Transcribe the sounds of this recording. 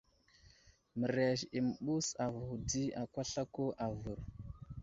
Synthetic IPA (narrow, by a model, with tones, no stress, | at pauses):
mə˨ɾe˨ʃi˨mə˨ɓu˦sa˨vu˨u˨di˦a˨kʷa˦ɬa˦ko˦ʔa˨vu˨ɾ